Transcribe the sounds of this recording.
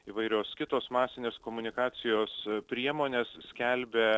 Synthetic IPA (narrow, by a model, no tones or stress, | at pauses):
iːʋɐɪɾʲoːskʲɪt̪oːsmɑːsʲɪnʲeːskoːmʊnʲɪkɑːsʲɪjoːspʲɾʲiɛmoːnʲeːssʲkʲælʲbʲe